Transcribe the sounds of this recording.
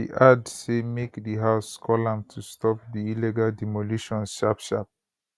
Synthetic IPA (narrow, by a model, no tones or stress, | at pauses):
ḭʔadsemekdiɦaʊskʰɔlãmtʰustʰɔp̚diilɛɡaldɛmoluʃɔ̃nʃapʃap̚